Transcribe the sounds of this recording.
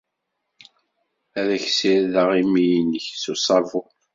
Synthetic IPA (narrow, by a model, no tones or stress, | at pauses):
æðæçsiɾðəʁimijinːəçsusˤɑɾˤvu